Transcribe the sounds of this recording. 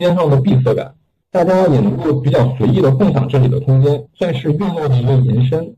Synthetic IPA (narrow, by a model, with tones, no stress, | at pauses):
jɛ˥nʂɑ˥˩ŋd̪ə˩pi˥˧sɤ˥˩ka̰˨˩˦n | t̪a˥˩t͡ɕja˥˩jɛ˨˩nɤ˧˥ŋko˥˩ʊpi˨˩t͡ɕjɑ˥˩ʊswe˧˥ɪi˥˩d̪ə˩kʰʊ˥˩ŋt̪ʰɑ̰˨˩ŋʈ͡ʂɤ˥˩li˨˩d̪ə̰˦k̪ʰʊ˥ŋt͡ɕjɛ˥nswa˥˧nʂɻ̩˥˧ɥɛ˥˧nna˥˩d̪ə˨˩˧jɛ˧˥nʂə˥n